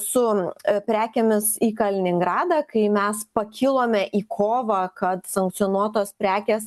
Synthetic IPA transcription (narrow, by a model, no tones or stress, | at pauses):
sʊpʲɾʲæːkʲemʲɪsiːkɐlʲɪnʲɪŋɡɾɑːd̪ɑːkɐɪmʲɛspɐkʲʰilˠoːmʲɛʔiːkʰoːʋɐkɐt̪sɐŋk̚t̪sʲijɔːnuɔt̪oːspʲɾʲæːkʲeːs